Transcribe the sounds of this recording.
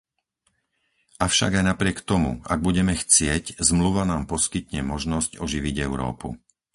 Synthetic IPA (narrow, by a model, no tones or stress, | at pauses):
ʔafʃa̰ɡajnapɾɪɛkt̪ɔmṵa̰ɡ̚buɟɛmɛxt͡sɪɛczmluʋanaːmpɔskit̪ɲɛmɔʒnɔscɔʒiʋiɟɛʊɾɔ̰ːpṵ